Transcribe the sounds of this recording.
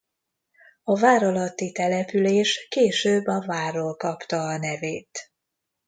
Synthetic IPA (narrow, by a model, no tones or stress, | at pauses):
ɒvaːɾɒlɒt̪ːit̪ɛlɛpyleːʃkeːʃøːbːɒvaːrːoːlkɒpt̪ɒːnɛveːt̪